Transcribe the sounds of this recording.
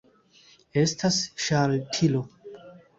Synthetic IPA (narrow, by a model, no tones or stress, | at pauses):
estʰasʃaltʰilo